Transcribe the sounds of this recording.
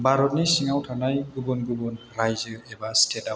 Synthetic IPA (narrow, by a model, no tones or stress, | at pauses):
baɾɔnisiŋawtʰanajɡubɔnɡubɔnɾajzɯɛbastʰɛda